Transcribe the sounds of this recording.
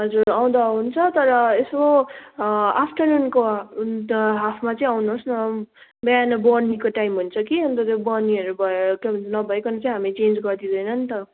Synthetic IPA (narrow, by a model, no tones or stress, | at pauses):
ɦʌd͡zuɾaw̃d̪aɦunt͡sʰʌt̪ʌɾʌeso | apʰʈʌnunko | ɦapʰmat͡sʌĩawnuɦsnʌ | bʌjanʌbʌnikoʈaimɦunt͡sʰʌkiʌnt̪ʌt̪ebʌniʌɾubʱʌkebʱʌnt͡sʰʌnʌbʱʌekonʌt͡sʌĩɦamit͡send͡zɡʌd̪id̪ʌjnʌnt̪ʌ